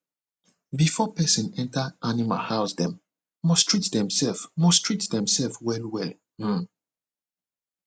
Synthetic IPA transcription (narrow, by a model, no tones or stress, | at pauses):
bifɔpɛsə̃nɛ̃ntəʔanima̰lhaʊsdɛ̃m | mɔstʰɹ̥itdɛ̃msɛlfmɔstʰɹ̥itðɛ̃msɛlfwɛlwɛl̩